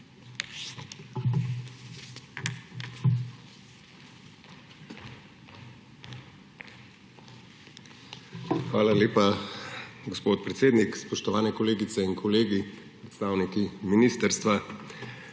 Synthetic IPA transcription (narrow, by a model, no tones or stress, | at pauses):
xʋaːlaleːpa | ɡospoːt̪̚pɾɛt̪seːd̪nikspɔʃt̪ɔʋaːnɛkɔleːɡit̪sɛinkʰɔleːɡipɾɛt̪st̪aːwnikiminiːst̪əɾst̪ʋa